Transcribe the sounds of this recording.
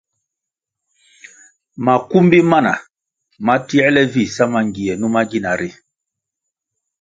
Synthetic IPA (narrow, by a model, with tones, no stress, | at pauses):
ma˨ku˦mbi˦ma˦na̰˨ | ma˦ti˦ɛ˦lɛ˦vi˦˨sa˦ma˨ŋɡi˨ɛ˨nu˦ma˦ɡi˦na˨ɾi˦